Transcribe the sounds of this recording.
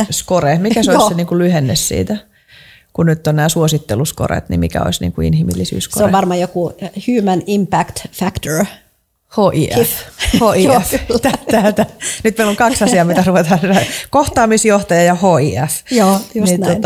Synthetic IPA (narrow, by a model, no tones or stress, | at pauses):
skorehmikæsoisseniːŋkulyhenːessḭːt̪æ | kunyt̪ːonnæːsuosit̪ːelusko̰rḛt̪nḭmikæ̰o̰isnḭːŋkuḭnhimḭlːisy̰ːskso̰oḛʋɑrmɑjokuhʉːmænimpækt̪fækt̪oɹ | hoːʔiːʔæfhoːʔiæft̪æt̪æt̪ænyt̪̚meiloŋkɑksɑsiɑːmit̪æruʋet̪ɑhɑnsiækoht̪ɑːmisjoht̪ɑjɑjɑhoːiːæfjoːniot̪